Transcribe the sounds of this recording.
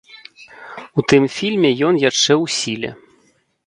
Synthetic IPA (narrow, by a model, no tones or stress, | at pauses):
ut̪ɨmfʲilʲmʲɛjɔnjaʂt͡ʂɛwsʲilʲɛ̰